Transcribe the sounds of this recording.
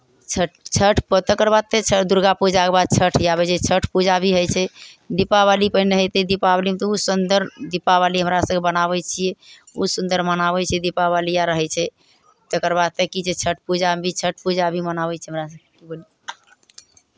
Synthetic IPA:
t͡ʃʰəʈt͡ʃʰəʈʰpt̪əkəɾbad̪̚t̪et͡ʃʰəd̪uɾɡapud͡ʒakebad̪̚t͡ʃʰəʈʰjaβɛt͡ʃʰɛt͡ʃʰəʈʰpud͡ʒabʱiɦəjt͡ʃʰɛd̪ipabalipəɦineɦəjt̪ɛd̪ipabalimet̪ɔusund̪əɾd̪ipaβaliɦəmɾasəɡkebənaβɛt͡ʃʰijɛusund̪əɾmənaβɛt͡ʃʰɛd̪ipaβalijaɾəɦɛt͡ʃʰɛ | t̪əkəɾbad̪̚t̪ekid͡ʒet͡ʃʰəʈ̚ʰpud͡ʒabʱit͡ʃʰəʈ̚ʰpud͡ʒabʱimənabɛt͡ʃʰɛɦəmɾasəkekiboli

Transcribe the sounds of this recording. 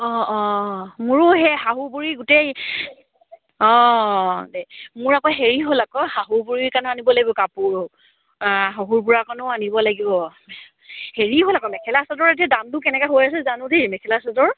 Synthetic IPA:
ɔ̃ɔ̃muɹʊɦɛɦaɦubuɹiɡʊtej | ɔ̃ | demʊɹakɔɦeɹiɦolakɔhaɦubuɹikanɔanibɔlaɡibɔkapʊɹo | ɦɔɦuɹpʊɹakanɔanibɔlaɡibɔ | heɹiɦolakɔmɛkʰɛlasɔdɔɹet̬iadantʊkɛnɛkaɦojas̬ɛzanʊ̃demɛkʰɛlasɔdɔɹ

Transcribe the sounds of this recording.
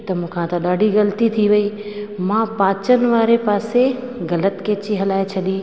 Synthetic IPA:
t̪ɐmũːkʰãt̪ɐɗaːɖʱiɣɐlt̪it̪ʰiʋɐi | mãpãːt͡ɕənɪ̆ʋaːɾepaːseɣɐlət̪kẽːt͡ɕiɦɐlaːet͡ɕʰɐɗiː

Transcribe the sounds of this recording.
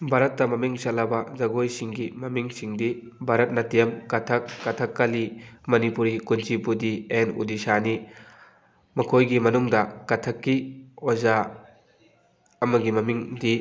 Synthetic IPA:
bʱaɾɐt̚ːɐmɐmiŋsɐlːɐbɐzɐɡojsiŋɡimɐmiŋsiŋdi | bʱaɾɐt̚nɐtijɐmkɐtʰɐkːɐtʰɐkːɐlimɐnipuɾikunt͡ʃipudienṵdisani | mɐkʰojɡimɐnuŋdɐkɐtʰɐkːioza | ɐmɐɡimɐmiŋdi

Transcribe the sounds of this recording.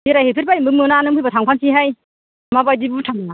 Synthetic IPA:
iɾajhepʰiɾpajimbɯmɯnanɯmpʰɯjbatʰaŋpʰansiɦaj | mabajdibutʰaŋna

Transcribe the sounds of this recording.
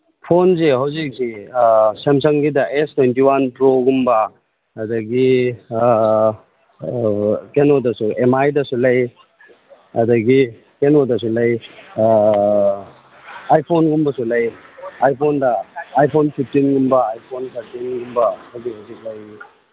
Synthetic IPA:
pʰonzeɦawzik̚sisemsɐŋɡidɐʔestwentiwanpɾoɡumbɐ | ɐdɐɡi | kenodɐsuemajdɐsulɐj | ɐdɐɡi | kenodɐs̬ulɐj | ajpʰonɡumbɐsulɐjajpʰondɐːjpʰonpʰip̚ʰtinɡumbɐajpʰonsʰaɾtinɡumbɐhawzihɐwzik̚lɐj

